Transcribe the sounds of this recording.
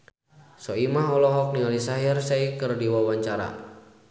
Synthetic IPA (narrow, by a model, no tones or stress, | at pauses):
sɔimaɦɔlɔɦɔk̚nialisaɦirsaikɨrdiwawaɲt͡ʃaɾa̰